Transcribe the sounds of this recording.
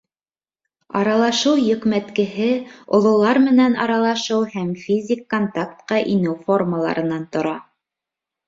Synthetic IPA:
ɑɾɑlˠɑʃɤwjɵ̆kmæt̪kɘ̆ɦɘŏ̰lˠŏlˠɑɾmɘ̆nænɑ̰ɾɑlˠɑʃɤwhæmfʲizʲɪkːont̪ak̚t̪qɑʔinɘwfo̞rməlˠɑ̰ɾɤ̆nɑnt̪ŏɾɑ

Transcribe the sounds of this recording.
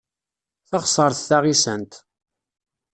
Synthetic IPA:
θɑχsˤəɾˤθθaʁisənt̪

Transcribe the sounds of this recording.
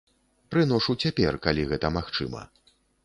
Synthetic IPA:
pɾɨnɔʂut͡sʲapʲɛrkalʲiɣɛt̪ɐmaxt͡ʂɨ̰mɐ̰

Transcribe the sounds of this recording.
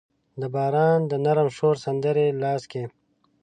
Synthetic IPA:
d̪əbɑːɾɑːnd̪ənaɾəmʃoːɾsɐnd̪əɾelɑːske

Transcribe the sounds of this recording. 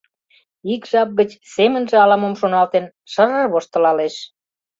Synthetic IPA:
ikʒɑp̚ɣət͡ɕsemənʒĕɑlɑmomʃonɑlt̪en | ʃəɾə̆rβoʃt̪ə̆lɑleʃ

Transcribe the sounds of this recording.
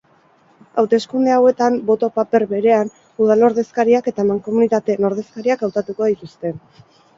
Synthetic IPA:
awt̪e̞skund̪e̞awe̞t̪ambo̞t̪o̞pape̞ɾβe̞ɾe̞an | uð̞alno̞ɾðe̞skaɾiake̞t̪aemaŋko̞munit̪at̪e̞no̞ɾð̞e̞skaɾiakawt̪at̪uko̞ðit̪ust̪e̞

